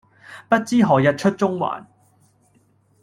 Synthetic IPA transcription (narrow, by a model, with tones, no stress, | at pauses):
pɐ˥t̚t͡siː˥ɦɔː˨jɐ˨t̚t͡ʃʰɵ˥t̚t͡sʊ˥ŋwa̰ː˨˩n